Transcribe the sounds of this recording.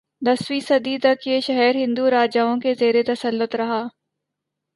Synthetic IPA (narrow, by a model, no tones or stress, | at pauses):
d̪ɐswiːsɐd̪it̪ɐkjeʃɐɦɛɾɦɪ̃nd̪uɾaːd͡ʒaːõkezeːɾet̪ɐsɐlːʊt̪ɾɐɦaː